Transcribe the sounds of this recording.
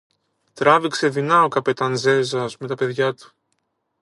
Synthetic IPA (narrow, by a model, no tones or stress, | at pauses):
t̪ɾɐvikseðinɐokɐpet̪ɐnze̞zɐzme̞t̪ɐpe̞ðʝɐt̪u̥